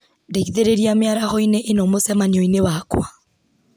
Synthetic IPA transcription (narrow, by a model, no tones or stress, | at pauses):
ndeɣiðeɾeɾiameaɾahɔineʔenɔmosɛmanioinewakw̰a